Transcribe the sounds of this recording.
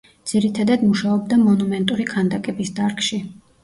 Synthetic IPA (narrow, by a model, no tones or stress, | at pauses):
d̪z̥iɾit̪ʰad̪ad̪muʃaɔb̚d̪amɔnumɛnt̪ʼuɾikʰand̪akʼɛbisd̪aɾkʰʼʃi